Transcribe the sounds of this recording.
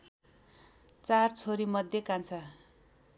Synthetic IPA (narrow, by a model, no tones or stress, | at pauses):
t͡sart͡sʰoɾimʌd̪ʱjekant͡sʰa